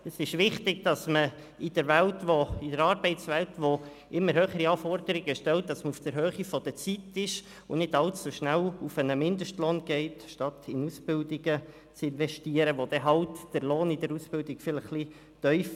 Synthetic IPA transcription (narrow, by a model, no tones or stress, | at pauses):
əsɪʃʋɪχt̪ɪɡ̚d̥ɑsmə | ɪd̥əɾʋæltʋoɪdəɾɑːɾbɛɪtsʋæltʋo | ʔɪmːəɾɦøːχəɾiɑːfɔrd̪əɾɪɡəʃtɛlt̚d̥ɑsməufd̪̥əɾɦøːχifɔd̥̪ət͡sitɪʃ | ʊnɪdɑlt͡sːuʃnælufənəmɪndəʃtloːnɡ̥ɛɪtʃtɑt̪ʰɪnusb̥ɪldɪɡ̥ə | t͡sɪnʋɛʃtiːəɾəʋod̥̪ɛɦɑltd̥əɾloːnɪdəɾusb̥ɪldɪɡ̥fɪləχːli | tœʏf